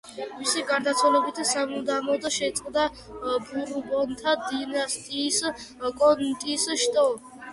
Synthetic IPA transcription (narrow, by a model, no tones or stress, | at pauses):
misiɡaɾd̪at̪sʰwalɛbit̪ʰsamud̪amɔd̪aʃɛt̪sʼqʼd̪a | buɾubɔnt̪ʰad̪inast̪ʼiːs | kʼɔnt̪ʼisʃt̪ʼɔ